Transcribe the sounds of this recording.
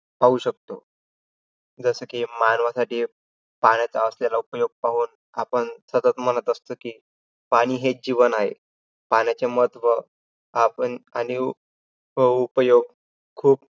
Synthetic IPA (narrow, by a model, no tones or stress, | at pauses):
paɦuɕək̚t̪o | d͡zəsəːkiːmanʋasaʈiː | panjat͡saəslalaupəjoɡ̚paɦuːn | apəɳsət̪ət̪m̤ənət̪əst̪okiː | paɽ̃iːɦed͡ʑiʋənaɦḛ | panjat͡semət̪ʰʋə | apənañi | ɦoupəjoɡ̚ | kʰuːp